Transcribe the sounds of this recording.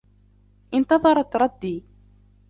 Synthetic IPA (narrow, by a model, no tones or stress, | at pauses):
ʔɪnt̪ɑðˤɑɾˤɑt̪ɾˤɑd̪ːiː